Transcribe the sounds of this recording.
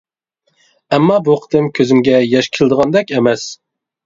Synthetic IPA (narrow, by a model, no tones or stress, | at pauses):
ɛmːɑbuqʰə̥t̪ʰɨmkʲʰøzɪmɡʲɛjɛʃkʲʰelˠɨd̪əʁɑnd̪ɛkʲɛmɛs